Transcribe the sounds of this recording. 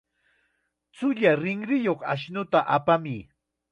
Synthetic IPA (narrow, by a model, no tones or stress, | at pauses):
t͡sʊʎaɾɪŋɾɪjoχaʃnʊt̪aʔapamiː